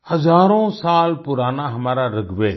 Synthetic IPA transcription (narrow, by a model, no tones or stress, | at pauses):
həzaːɾõːsaːlpʊɾaːnaɦɐmaːɾaɾəɡʱʋeː